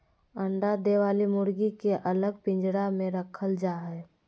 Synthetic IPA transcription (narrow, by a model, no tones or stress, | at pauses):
əɳɖad̪eːʋaːlimʊɾɡikeʔɐləɡ̚pɪ̃ɲd͡ʒɽamẽɾəkʰəld͡ʒaːɦɛː